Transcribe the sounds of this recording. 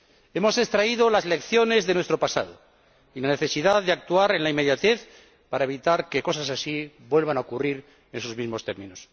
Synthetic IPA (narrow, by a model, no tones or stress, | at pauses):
e̞mo̞se̞st̪ɾaiðolazle̞kθjo̞ne̞zðe̞nwe̞st̪ɾo̞pasa̰ð̞o̰ | ilaneθe̞siðaððeak̚t̪uaɾe̞nlaime̞ðjat̪eθ | paɾae̞β̞it̪aɾke̞ko̞sasasi | bwe̞lβanaokuriɾ | enesozmizmo̞st̪e̞ɾmĩnos